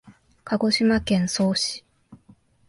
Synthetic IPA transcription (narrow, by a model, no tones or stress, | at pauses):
kʰaɡo̞ɕimakẽ̞ɰ̃so̞ːɕi̥